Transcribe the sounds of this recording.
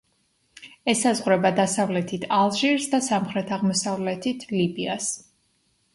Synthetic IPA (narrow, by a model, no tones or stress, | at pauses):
ɛsazʁɾɛbad̪asavlɛt̪ʰit̪ʰalˠʒiɾsd̪asamχɾɛt̪ʰaʁmɔsavlɛt̪ʰit̪ʰlibias